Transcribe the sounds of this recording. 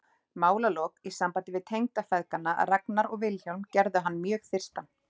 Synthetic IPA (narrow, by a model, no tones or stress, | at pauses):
maːwlaloːkisampant̪ɪvɪðt̪ʰejŋt̪afɛðkanːaa̰raknaɾɔɣvɪlçowlmcɛɾðʏɦanːmjœːɣθɪr̥st̪an